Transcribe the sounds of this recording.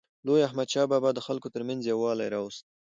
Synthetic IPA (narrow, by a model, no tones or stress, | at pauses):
lojahmad̪ʃɑbɑbɑd̪ːəxalkot̪əɾmanzjawɑla̰jɾɑwust̪̚